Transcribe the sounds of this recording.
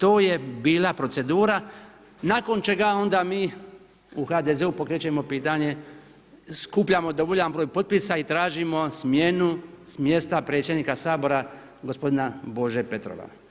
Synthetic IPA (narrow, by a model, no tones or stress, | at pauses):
t̪o̞ːje̞biːlapɾo̞t̪se̞d̪uːɾa | naːko̞nt͡ʃe̞ɡao̞nd̪amiː | uxad̪ezeupo̞kɾet͡ɕemo̞piːt̪aɲe̞ | skuːpʎamo̞d̪o̞ʋo̞ʎanbɾoːjpo̞t̪̚pisait̪ɾaːʒimo̞smje̞nusmje̞st̪apɾe̞tsjed̪niːkasaːbo̞ɾa | ɡo̞spo̞d̪inabo̞ʒepe̞t̪ɾo̞̰ʋa̰